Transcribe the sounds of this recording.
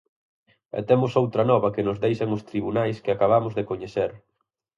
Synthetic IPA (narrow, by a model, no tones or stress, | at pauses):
ɛ̰t̪emʊsowt̪ɾɐnɔβɐkɪnʊzðejʃɐŋʊst̪ɾiβunajskɪakaβ̞amʊzðekoɲeθeɾ